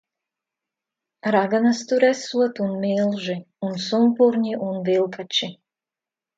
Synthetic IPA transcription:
ɾaɡanast̪uɾɛsuat̪unmilˠʒi | unsumpuɾɲiʔunvilˠpʰat͡ʃi

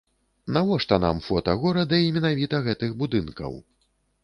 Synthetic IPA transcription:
navɔʂt̪ɔna̰mfɔt̪ɐɣɔɾɐd̪ɐimʲɛnavʲit̪ɐɣɛt̪ɨɣbud̪ɨnkɐ̰w

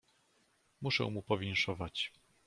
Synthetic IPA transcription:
muʂɛ̰w̃mupɔvʲjɛŋkʂɔvat͡ɕ

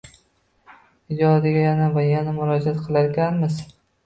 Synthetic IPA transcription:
ɪd͡ʒɒd̪ɪɡʲajanavajanamʊɾɒd͡ʒat̪qʰɨlˠaɾɡʲanmɪz

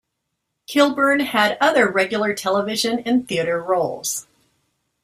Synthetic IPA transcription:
kʰɪlˠbə˞nɨɾʌðə˞ɹɛɡjl̩ˠə˞tʰɛlˠəvɪʒɨ̃nɨ̃nθiɨɾə˞ɹoʊlˠz̥

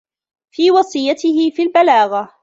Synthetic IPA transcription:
fiːwɑsˤɨjːat̪ɪhɪfiːlbalaːɣa

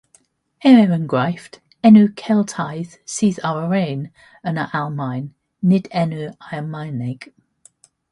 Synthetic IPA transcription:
ɛɹɛɹənɡɹaɪft | ɛnʉkʰɛlˠtʰaɪð̥siːðaʊəɹẽːn | ənəʔalˠmaɪnː | ɪdɛnuaɪəmaɪnɛɡ̥

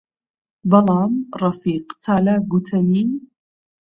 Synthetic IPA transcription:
bɐlˠɑːmrˤɑfiːqt̪ʰaːlaːɡut̪ʰɐniːn

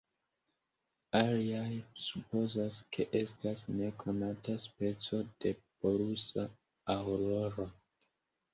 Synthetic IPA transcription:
aliajsupo̞zaskʰe̞ʔe̞stasne̞kʰo̞nataspe̞t͡so̞d̥e̞b̥o̞ɾusaː | wɾo̞ɾo

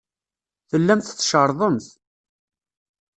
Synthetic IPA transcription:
θəlːæmt̪θːʃəɾˤðˤəmθ

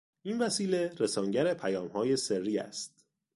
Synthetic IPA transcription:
ʔinvæsiːle̞ɾesɒːŋɟæɾepʰæjɒːmhɒːje̞serːiːæ̰st̪̚

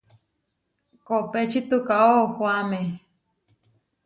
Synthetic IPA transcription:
kopet͡ʃʰit̪ukaʔohwame

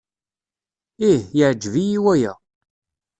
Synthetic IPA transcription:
ihjəʕd͡ʒːvijiwæjæ

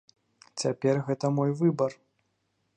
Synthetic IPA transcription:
t͡sʲapʲɛrɣɛt̪ɐmɔjvɨbɐr

